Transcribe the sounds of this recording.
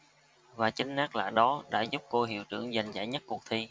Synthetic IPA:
vaː˨˩t͡ɕï˨˦ŋ̟naː˦˥k̚la̰ː˧˩ɗɔ˨˦ɗa̰ː˧˥zu˦˥p̚ko˧ɦḭ˧˨əwt͡ɕɨ̰˧˩əŋza˨˩jŋ̟za̰ː˧˩jɲə˦˥t̚kːu˨˩ək̚t̪ʰi˧

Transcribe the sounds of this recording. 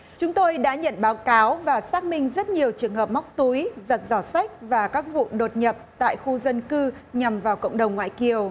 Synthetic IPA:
t͡ɕʊ˨˦ŋ͡mt̪o˧jɗa̰ː˧˥ɲə̰˧˨nɓaː˨˦wkaː˨˦wvaː˨˩saː˦˥k̚mï˧ŋ̟zə˦˥t̚ɲi˨˩əwt͡ɕɨ˨˩əŋɦəː˨˩p̚ma˦˥wk͡p̚t̪u˨˦jzə˨˩t̚zɔ˧˩sa˦˥jk̟̚vaː˨˩kaː˦˥k̚vṵ˧˨ɗo˨˩t̚ɲə˨˩p̚t̪a̰ː˧˨jxu˧zə˧nkɨ˧ɲa˨˩mvaː˨˩wkə̰˧˨wŋ͡mɗə˨˩wŋ͡mŋwa̰ː˧˨jki˨˩əw

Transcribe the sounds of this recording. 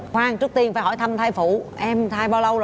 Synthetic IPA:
kwaː˧ŋt͡ɕɨ˦˥ək̚t̪i˧ənfaː˧˦jɦɔ˧˩˦jt̪ʰə˧mt̪ʰaː˧jfu˧˩ʔɛ˧mt̪ʰaː˧jɓaː˧wlə˧w

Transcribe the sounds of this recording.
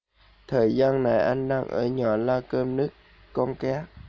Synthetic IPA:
t̪ʰəː˨˩jzaː˧nna˨˩jʔa˧jŋ̟ɗaː˧ŋʔə̰ː˧˩ɲɔ˨˩˦laː˧wkəː˧mnɨ˦˥əkː | ɔ˧nkɛ˨˦˥

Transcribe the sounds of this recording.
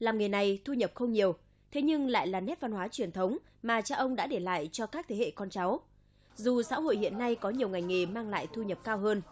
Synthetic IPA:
laː˨˩mŋɨ˨˩jna˨˩jt̪ʰu˧ɲə˨˩p̚xə˧wŋ͡mɲi˨˩əw | t̪ʰe˨˦ɲɨ˧ŋla̰ː˧˨jlaː˨˩nɛ˦˥t̚va˧nhwaː˨˦t͡ɕwi˨˩ənt̪ʰə˨˦wŋ͡m | maː˨˩t͡ɕaː˧ʔə˧wŋ͡mɗa̰ː˧˥ɗe˧˩la̰ː˧˨jt͡ɕɔ˧kaː˦˥k̚t̪ʰe˨˦hḛ˧˨kɔ˧nt͡ɕa˨˦w | zu˨˩sa̰ː˧˥ho̰˧˨jhḭ˧˨ənːa˧jkɔ˨˦ɲi˨˩əwŋa˨˩jŋe˨˩maː˧ŋla̰ː˧˨jt̪ʰu˧ɲə˨˩p̚kaː˧wɦəː˧n

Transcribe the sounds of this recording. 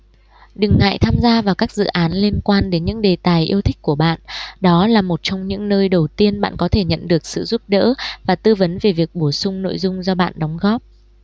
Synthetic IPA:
ɗɨ˨˩ŋːa̰ː˧˨jt̪ʰaː˧mzaː˧vaː˨˩wkaː˦˥k̚zɨ̰˧˨ʔaː˨˦nli˧ənkwaː˧nɗe˨˦nɲɨ̰˧˥ŋɗe˨˩t̪aː˨˩jʔi˧əwt̪ʰï˦˥k̟̚kːu˧˩əɓa̰ː˧˨nɗɔ˨˦laː˨˩mo˨˩t̚t͡ɕɔ˧wŋ͡mɲɨ̰˧˥ŋnəː˧jɗə˨˩wt̪i˧ənɓa̰ː˧˨nkɔ˨˦t̪ʰe˧˩ɲə̰˧˨nɗɨ˨˩ək̚sɨ̰˧˨zu˦˥p̚ɗə̰ː˧˥vaː˨˩t̪ɨ˧və˨˦nve˨˩vi˨˩ək̚ɓo˧˩sʊ˧ŋ͡mno̰˧˨jzʊ˧ŋ͡mzɔ˧ɓa̰ː˧˨nɗɔ˨˦wŋ͡mɣɔ˦˥p̚

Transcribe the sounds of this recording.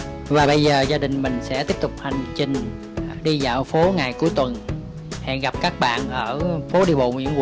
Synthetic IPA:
vaː˨˩ɓə˧jzəː˨˩zaː˧ɗï˨˩ŋ̟mï˨˩ŋ̟sɛ̰˧˥t̪i˦˥əp̚t̪ʊ˨˩k͡p̚ha˨˩ŋ̟t͡ɕï˨˩ŋ̟ | ɗi˧za̰ː˧˨˩wfo˨˦ŋa˨˩jku˨˦əjt̪wə˨˩n | hɛ̰˧˨nɣa˨˩p̚kaː˦˥k̚ɓa̰ː˧˨nʔəː˧˩fo˨˦ɗi˧ɓo̰˧˨wi˧əŋ˧˨

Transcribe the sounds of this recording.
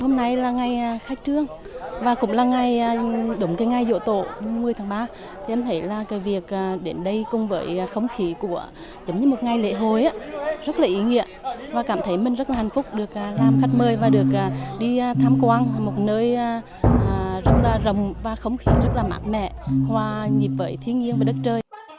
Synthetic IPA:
ho˧mna˧jlaː˨˩ŋa˨˩jaː˨˩xaː˦˥jk̚t͡ɕɨ˧əŋ | vaː˨˩kʊ̰˧˥ŋ͡mlaː˨˩ŋa˨˩jːɗʊ˨˦ŋ͡mk̪aː˨˦ŋa˨˩jzo̰˧˨t̪o̰˧˨˧mɨ˨˩əjt̪ʰaː˨˦ŋɓaː˧ | t̪ʰi˨˩ʔmt̪ʰə˨˦jlaː˨˩ka˨˦jvi˨˩ək̚ʔːɗe˨˦nɗə˧jkʊ˧˩ŋ͡mvəː˨˦jxə˧wŋ͡mxi˨˦ku˧˩ə | zə˨˦wŋ͡mɲɨ˧˦mo˨˩t̚ŋa˨˩jlḛ˧˥ɦo˨˩jʔaː˨˦zə˦˥t̚laː˨˩ʔi˨˦ŋḭ˧˨əvaː˨˩kaː˧˩mt̪ʰə˨˦jmï˨˩ŋ̟zə˦˥laː˨˩ha˨˩jŋ̟fʊ˦˥k͡p̚ɗɨ˨˩ək̚ʔa˨˩laː˨˩mxa˦˥k̚məː˧˩jvaː˨˩ɗɨ˨˩ək̚ʔaː˨˩ɗi˧t̪ʰaː˧mkwaː˧n˨˩mo˨˩t̚nəː˧jː | əː˨zə˦˥t̚laː˨˩zə˨˩wŋ͡mvaː˨˩xə˧wŋ͡mxi˨˦zə˦˥t̚laː˨˩ma̰ː˨˥n̚mɛ̰˧˨hwaː˨˩ɲi˨˩p̚vəː˨˦jt̪ʰi˧ənɲi˧ənvəː˨˩jɗə˦˥t̚t͡ɕəː˧j

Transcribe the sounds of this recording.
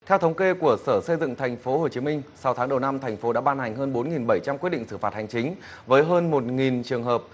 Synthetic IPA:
t̪ʰɛ˧wt̪ʰə˨˦wŋ͡mke˧ku˧˩əsəː˧˩sə˧jzɨ̰˧˨ŋt̪ʰa˨˩jŋ̟fo˨˦ho˨˩t͡ɕi˨˦mï˧ŋ̟sa˨˦wt̪ʰaː˨˦ŋɗə˨˩wna˧mt̪ʰŋ̟fo˨˦ɗa̰ː˧˥ɓaː˧nha˨˩jŋ̟ɦəː˧nɓo˨˦nŋi˨˩nɓə˧˩jt͡ɕa˧mki˦˥t̚ɗḭ˧˨ŋsɨ˧˩faː˨˩t̚ha˨˩jŋ̟t͡ɕï˨˦ŋ̟ | vəː˨˦jɦəː˧nmo˨˩t̚ŋi˨˩nt͡ɕɨ˨˩əŋɦəː˨˩p̚

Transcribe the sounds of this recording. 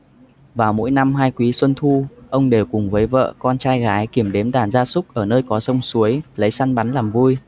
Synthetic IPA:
vaː˨˩wmo̰˧˥jna˧mɦaː˧jkwi˨˦swə˧nt̪ʰu˧ʔə˧wŋ͡mɗe˨˩wkʊ˨˩ŋ͡mvəː˨˦jvə̰ː˧˨kɔ˧nt͡ɕaː˧jɣaː˨˦jki˧˩əmɗe˨˦mɗ̪aː˧˩nzaː˧sʊ˦˥k͡p̚ʔəː˧˩nəː˧jkɔ˨˦sə˧wŋ͡msu˨˦əjlə˨˦jsa˧nɓa˨˦nlaː˨˩mvu˧j

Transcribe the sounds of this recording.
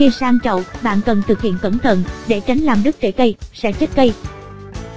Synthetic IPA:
xi˧saː˧ŋt͡ɕə̰˧˨wɓa̰ː˧˨nkə˨˩nt̪ʰɨ˨˩k̚hḭ˧˨ənkə˧˩mt̪ʰə̰˧˨nɗe˧˩t͡ɕa˨˦jŋ̟laː˨˩mɗɨ˦˥k̚t͡ɕe˧˩kə˧jsɛ̰˧˥t͡ɕe˦˥t̚kə˧j

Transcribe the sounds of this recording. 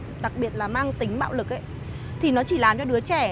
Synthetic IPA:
ɗa˨˩k̚ɓi˨˩ət̚laː˨˩maː˧ŋt̪ï˨˦ŋ̟ɓa̰ː˧˨wlɨ˨˩k̚ʔə˨˦j | t̪ʰi˨˩nɔ˨˦t͡ɕi˧˩laː˨˩mt͡ɕɔ˧ɗɨ˨˦ət͡ɕɛ˧˩

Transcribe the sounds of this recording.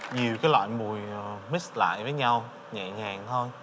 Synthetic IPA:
ɲi˨˩əwkaː˨˦jlwa̰ː˧˨jmu˨˩jmi˦˥t̚la̰ː˧˨jvəː˨˦jɲa˧w | ɲa̰˧˨ɲaː˨˩ŋt̪ʰo˧j

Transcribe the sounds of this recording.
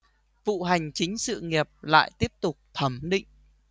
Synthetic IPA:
vṵ˧˨ɦa˨˩jŋ̟t͡ɕï˨˦ŋ̟sɨ̰˧˨ŋi˨˩əp̚la̰ː˧˨jt̪i˦˥əp̚t̪ʊ˨˩k͡p̚t̪ʰə˨˧˩mɗḭ̈˧˨ŋ̟

